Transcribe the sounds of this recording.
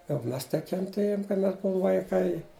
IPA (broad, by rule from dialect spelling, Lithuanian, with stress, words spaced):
jɛʊ ˈmʲɛs tɐɪ kʲɛnʲˈtʲeːjʊm kɐɪ ˈmʲɛs ˈbuɔm ʋɐɪˈkɐɪ